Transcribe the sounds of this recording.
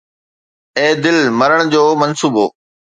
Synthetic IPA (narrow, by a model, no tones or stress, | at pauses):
eːd̪ɪlmɐɾəɽ̃d͡ʑoːmɐnsuːbɦo̰ː